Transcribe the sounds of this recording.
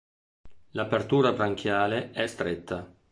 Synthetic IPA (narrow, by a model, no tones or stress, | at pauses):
lapert̪uːɾabɾaŋk̟ʰjaːleɛst̪ɾet̪ʰːa